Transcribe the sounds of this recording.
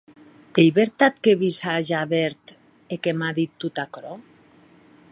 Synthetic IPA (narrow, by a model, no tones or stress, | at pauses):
eiβeɾt̪at̪̚keβisaʒaβeɾt̪ | ekemaðit̪ːut̪akɾo